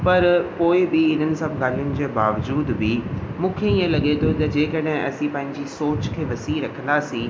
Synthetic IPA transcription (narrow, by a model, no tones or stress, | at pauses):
pɐɾpoːɪbɪɪn̤ənɪ̆sɐbʱɡaːl̤ijʊnɪ̆d͡ʑeːba̰ːʋd͡ʑuːd̪bɪmũːkʰeiẽlɐɠet̪ʰot̪ɐd͡ʑeːkɐɗɦɪ̃ʔɐ̰sĩpɐ̃ɦɪ̃ɲd͡ʑisoːt͡ɕkʰeːʋɐsiɾɐkʰə̃nd̪asĩː